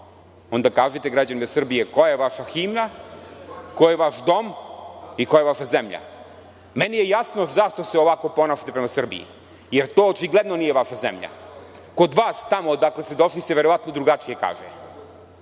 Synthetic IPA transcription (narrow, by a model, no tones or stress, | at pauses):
o̞nd̪akaːʒet̪eɡɾad͡ʑanimessr̩bijekojeʋaʃaximna | kojeʋaʃd̪o̞mikojeʋaʃazemʎa̰ | menijejasno̞zaʃt̪o̞seoʋako̞po̞naːʃḁt̪epɾemasr̩bḭḭ | jeɾt̪o̞ːt͡ʃiɡled̪no̞nijeʋaʃazḛmʎa̰ | ko̞d̪ʋaːst̪amo̞d̪aklest̪ed̪o̞ʃliseʋe̞ɾo̞ʋat̪nod̪ɾuɡat͡ʃije̞ka̰ːʒḛ